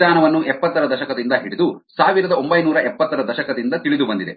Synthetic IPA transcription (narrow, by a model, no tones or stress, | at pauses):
aːnɐʋɐnːuʔɛpːɐt̪ːɐɾɐd̪ɐʃɐkɐd̪ind̪ɐɦiɽid̪usaːʋiɾɐd̪ɐo̞mbɐjnuːɾɐʔɛpːɐt̪ːɐɾɐd̪ɐʃɐkɐd̪ind̪ɐt̪iɭid̪ubɐnd̪id̪e